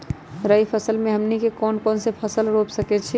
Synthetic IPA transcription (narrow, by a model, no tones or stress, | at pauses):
ɾəipʰəsəlmẽɦəmnikekɔnkɔːnsepʰəsəlɾopsəkɛt͡ʃʰi